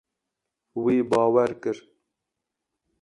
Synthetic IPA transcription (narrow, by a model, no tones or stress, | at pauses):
wiːbɑːwɛɾkɨɾ